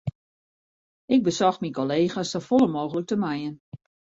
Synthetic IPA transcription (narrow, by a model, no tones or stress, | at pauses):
ʔɪk̚bəsɔxminkoleːxasɔfolˠəmoːɣələk̚təmajən